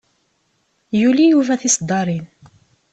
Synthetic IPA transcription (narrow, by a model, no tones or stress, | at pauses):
julijuvæθisd̪ːɑɾˤin